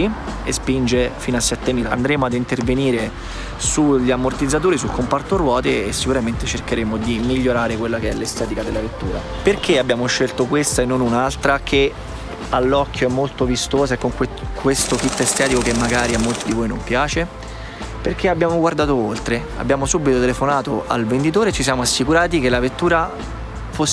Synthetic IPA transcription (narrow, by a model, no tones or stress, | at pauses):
iespind͡ʒefiːnoasːɛt̪ːemiːlaa̰nd̪ɾeːmoad̪int̪erveniːɾe | suʎːamort̪id̪zːat̪̬oːɾisulkompart̪orwɔːt̪eːsːikuɾament̪et͡ʃerkeɾeːmod̪imiʎːoɾaːɾekwelːakeɛlːest̪ɛːt̪ikad̪elːavet̪ːuːɾa | perkeabjaːmoʃːelt̪okwest̪aenːonunalt̪ɾakʰe | alːɔkʰːjoɛmːolt̪ovist̪oːzaekːoŋkekwest̪okit̪ːest̪ɛːt̪ikokemːaɡaːɾiamːolt̪id̪ivojnompjaːt͡ʃe | perkʰeabjaːmoɡward̪aːt̪oolt̪ɾea̰bːjaːmosubːit̪ot̪elefonaːt̪oʔa̰lvend̪it̪̬oːɾet͡ʃːis̬jaːmoasːikuɾaːt̪̬ikelavet̪ːuːɾa | fo